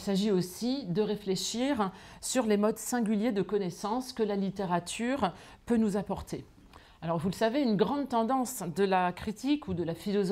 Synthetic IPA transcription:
lsaʒiosid̪əʁefleʃiʁsyʁlemɔd̪sɛ̃ɡʲyljed̪əkɔnɛsɑ̃skəlalit̪eʁat̪ʰyʁ | pønuzapɔʁt̪e | alɔʁvuləsaveynɡʁɑ̃d̪̚t̪ɑ̃d̪ɑ̃sd̪əlakχit̪ʰikʰud̪əlafilɔz

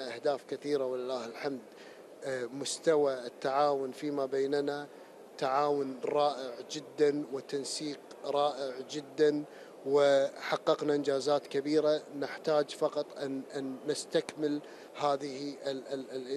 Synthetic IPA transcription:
aʔahd̪aːfkɪθiːɾawɪlɪlːaːhɪlħamd̪ | mʊst̪awaɪt̪ːaʕaːwʊnfimabeːnna | t̪aʕaːwʊnɾˤɑːʔɪʕd͡ʒɪd̪ːanwɪt̪ansiːq | ɾˤɑːʔɪʕd͡ʒɪd̪ːan | wɪħɑqːɑqnaʔɪnd͡ʒaːzaːt̪kabiːɾanɪħt̪aːd͡ʒfɑqɑt̪ˤʔanʔanːɪst̪akmɪl | haːðɪhiɪ

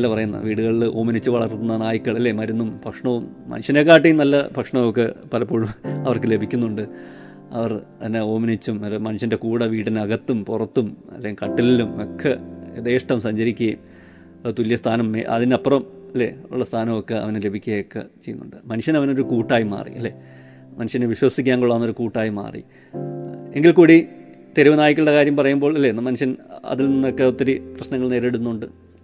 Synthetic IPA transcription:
nɐlːɐpɐrɐjunːɐ̰ʋiːɽuɣɐɭiloːminit͡ɕːɨʋɐɭɐrt̪ːunːɐnaːjikʲːɐɭɐlːemɐɾunːumbʱɐkʂɳɐʋumːɐ̰nuɕɐneːkːaːʈ̬ːijumnɐlːɐbʱɐkʂɳɐʋokːepɐlɐpːoːɻumɐʋɐrkɨle̞bʱikʲːunːuɳɖɨ | ɐ̰ʋɐrt̪ɐnːeo̞ːminit͡ɕːumɐmɐnuʂɐnde̞kuːɽɐʋiːɽinɐɣɐt̪ːumpurɐt̪ːumɐ̰lːejukɐʈːillumokʰːɐeðeːʂʈɐmsɐɲd͡ʑɐɾikʲːuɐim | t̪ulijɐst̪ʰaːnɐmːeɐ̰ðinɐpːrɐmɐlːḛṵɭːɐst̪ʰaːnɐmokːeɐ̰ʋɐnele̞bʱikʲːuɣɐjokːḛt͡ɕejːunːṵɳɖɨmɐnuɕjɐnɐʋɐno̞ɾukuːʈːaːjima̰ːrḭɐ̰lːe | mɐnuɕjɐneʋiɕwɐsikʲːaːŋɡuɭːɐnːoɾukuːʈːaːjima̰ːrḭ | eŋɡilkuːɽit̪e̞ɾuʋɐnaːjikʲːuɭɽekaːɾjɐmpɐrɐjumbo̞ːɭilːenːmɐnuɕjɐnɐ̰ðilninːokːeot̪ːɐɾiprɐɕnɐŋːɐɭne̞ːɾeɽunːuɳɖɨ

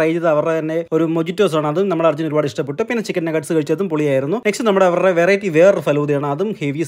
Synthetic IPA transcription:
ɐjd͡ʑɐðɨɐʋɐret̪ɐnːe̞o̞ɾumod͡ʑitːoːs̬aːɳɨɐðumnɐmːɐɽeɐrd͡ʑɐnoɾubaːɽɨiʂʈɐpːeʈːɨpinːet͡ɕikʲːɐʈːnɐkɐʈsɨkɐɻit͡ɕːɐt̪ːumpoɭijaːjiɾunːuneksʈinɐmːuɽeɐʋɐreʋeːrɐjtːiʋeːrfɐlɐwðɐjaːɳɨɐðumheːʋis

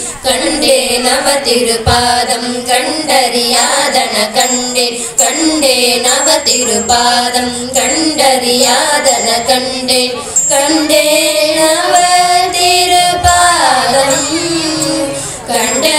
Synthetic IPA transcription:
kɐɳɖenɐʋɐt̪ɪɾɯpaːðɐmkɐɳɖɐɾɪjaːðɐnɐkɐɳɖe | kɐɳɖenɐʋɐt̪iɾɯpaːðɐm | kɐɳɖɐɾijaːðɐnɐkɐɳ | ɖe | kɐɳɖenɐʋɐt̪iɾɯpaːðɐm | kɐɳɖɐ

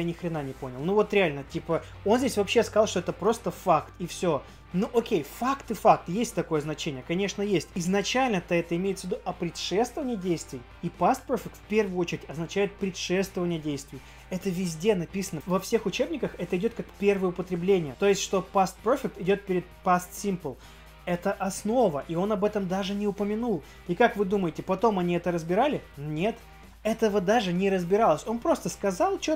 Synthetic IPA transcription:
janʲɪxɾʲɪnanʲɪpo̞nʲɪlˠnuvo̞t̪ɾʲɪalʲnətʲipə | o̞nzʲdʲesʲvɐpɕːe̞skɐɑlˠʂt̪oɛt̪əpɾo̞st̪əfakt̪ifsʲo | nuʔokʲejfakt̪ɨfakt̪jesʲtʲt̪ɐko̞jəznɐt͡ɕenʲɪjəkɐnʲe̞ʂnəjesʲtʲɪznɐt͡ɕælʲnət̪əɛt̪əɪmʲeɪt̪səvʲɪd̪uʔɐpɾʲɪt̪ʂɛst̪vəvənʲɪjədʲejst̪vʲɪ | ipast̪̚pɾofʲɪk̚t̪fʲpʲe̞rvʊjʊot͡ɕɪɾʲɪtʲɐznɐt͡ɕæjɪt̪̚pɾʲɪt̪ʂɛst̪vəvənʲɪjədʲejst̪vʲɪ | ɛt̪əvʲɪzʲdʲe̞nɐpʲisənəvɐfsʲexʊt͡ɕe̞bnʲɪkəxɛt̪əɪdʲo̞t̪̚kakpʲe̞rvəjəʊpət̪ɾʲɪblʲenʲɪjət̪o̞jɪsʲtʲʂt̪o̞past̪̚pofʲɪk̚t̪ɪdʲo̞t̪̚pʲɪɾʲɪd̪̚past̪sʲimpəlˠ | ɛt̪əʔɐsno̞vəʔio̞nɐbɛt̪əmd̪aʐɨnʲɪʊpəmʲɪnulˠ | ikakvɨd̪uməjɪtʲɪpɐt̪o̞mɐnʲiɛt̪əɾəzbʲɪɾalʲɪnʲe̞t̪ | ɛt̪əvəd̪aʐɨnʲɪɾəzbʲɪɾalˠəsʲo̞npɾo̞st̪əskɐzɑlˠt͡ɕo

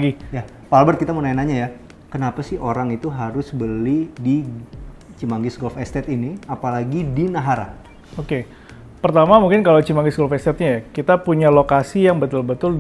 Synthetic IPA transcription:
ɡija | palbərt̪̚kit̪amənaenaɲaja | kənapasɪhoɾaŋit̪uɦaɾʊsbəlidi | t͡ʃimaŋɡɪsɡɔlfɛst̪ɛt̪iniapalaɡidinaɦaɾa̰ | oke | pərt̪amamuŋkɪnkalat͡ʃimaŋɡɪsɡɔlfɛst̪ɛt̪̚ɲajakit̪apuɲalokasijaŋbət̪ʊlbət̪ʊld

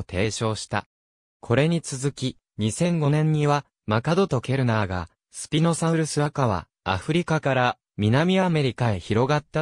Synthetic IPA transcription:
t̪ʰe̞ːɕo̞ːɕi̥t̪a̰ | kʰo̞ɾe̞ɲ̟it͡sɨzɨkʲi | ɲ̟isẽ̞ŋɡo̞nẽ̞ɲ̟ːiβa | makad̪o̞t̪o̞ke̞ɾɯ̟naɡa̰ | sɨ̥pʲino̞sãɯ̟ɾɯ̟sɨβakaβa̰ | a̰ɸɯ̟ɾʲikakaɾa | mʲinamʲiame̞ɾʲikaeçiɾo̞ɡat̪ːa

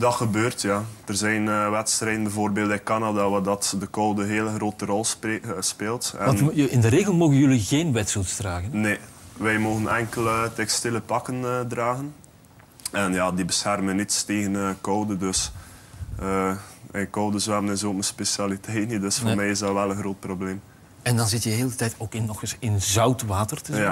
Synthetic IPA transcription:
dɑtxəbøːrtjaːd̥ərzɛjnʋɛtstrɛjdənbɛvoːrbeːlˠtɛkɑnadaʋadɑtdəkowdəɦeːləxroːtərɔlˠspeːlˠtɛnɪndəɾeːɣəlˠmoːɣənjɵliɣeːnʋɛtsutsd̥raːɣənneʋɛjmoːɣənʔɛŋkələtɛkstɪləpɑkəndraːɣən | ɛnjaːdibəsxɛrmənitsteːɣənəkowdədøs | əːəkowdəzwɛbənɪzoːtməspesjalitʰɛjtnidøsfmɛjɪzdɑʋɛlənxroːt̚probleːm | ɛndɑnzɪtjəɦeːlˠdətɛjtoːkɪnːɔxɪsɪnzœwtʋaːtərtəj

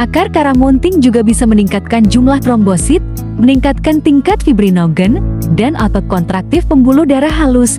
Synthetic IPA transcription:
ʔakarkaɾamɔnt̪ɪŋd͡ʒuɡabisaməniŋkat̪̚kand͡ʒumlahtɾɔmbɔsɪt̪̚ | məniŋkat̪̚kant̪iŋkat̪̚fibɾinoɡəndanʔɔt̪ɔkɔnt̪ɾak̚t̪ɪfpəmbulʊhdaɾahɦalʊs

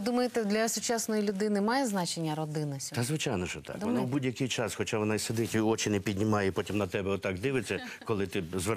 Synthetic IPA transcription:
d̪umɐjet̪ɛd̪lʲɐsʊt͡ʃɑsnɔjilʲʊd̪ɪnɪmɑjɛznɑt͡ʃenʲːɐɾɔd̪ɪnɐsʲt̪ɐzʋɪt͡ʃɑjnɔʃɔt̪ɑ̰kd̪ʋɔnabudʲjɐkɪjt͡ʃɑsxɔt͡ʃaʋɔnɑised̪ɪtʲiɔt͡ʃɪnɛpʲidʲnʲɪmɑjɛpɔtʲimnɐt̪ɛbɛɔt̪ːɑɡd̪ɪʋɪt͡sʲːɐkɔlˠɪt̪ɪzʋ

